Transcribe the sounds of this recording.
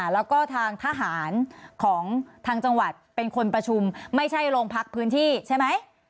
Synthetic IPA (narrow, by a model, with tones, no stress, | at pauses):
lɛː˦˥wkɔː˥˩t̪ʰaː˧ŋt̪ʰaː˧ɦaː˩˦nkʰɔː˩˦ŋt̪ʰaː˧ŋt͡ɕa˧ŋwa˨˩t̪̚pe˧nkʰo˧npɾa˧t͡ɕʰu˧mma˥˩jt͡ɕʰa˥˩jɾoː˧ŋpʰa˦˥k̚pʰɯː˦˥nt̪ʰiː˥˩t͡ɕʰa˥˩jma˦˥j